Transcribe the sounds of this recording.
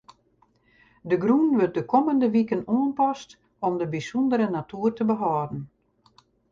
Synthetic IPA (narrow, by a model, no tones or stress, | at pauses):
dəɡrunʋøt̚dəkʰɔməndəʋikənoənpɔst | ɔmdəbisɔndəɾənatuːrtəbəɦɔːdn̩